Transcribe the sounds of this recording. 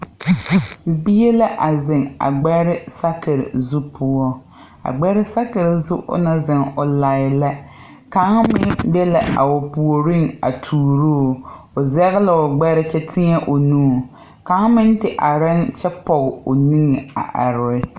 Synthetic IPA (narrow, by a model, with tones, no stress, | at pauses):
bi˦e˦la˦ʔa˨zɪ˨ŋa̰˨ɡ͡bɛ˦ɾɪ˦sa˦kɪ˨ɾɪ̰˨zu˦pʰʊ˨ɔ˦ | a̰˨ɡ͡bɛ˦ɾɪ˦sa˦kɪ˨ɾɪ˨zʊ̰˦ʔʊ̰˦na˨zɪ˨ŋʊ˨la˨ɪ˨la˦ | ka˨˦ŋ˦mɪ˦nbɛ˦la̰˨a̰˨ʊ˨pu˨o˨ɾi˦ŋa̰˨tʰuː˨ɾo˦˨ | ʊ˨zɛ˦ɣɪ˦la˨ʊ˨ɡ͡bɛ˦ɾɪ˦t͡ʃɛ˦tʰɪ˦ŋɛ˦ʔo˨nũː˦˨ | ka˨˦ŋ˦mɪ˦ntɪ˨ʔa˨ɾa˦nt͡ʃɛ˦pɔ˨ɣɪ˨o˨ni˦ŋe˨a̰˨ʔa˨ɾʊ˨˦ɪ˦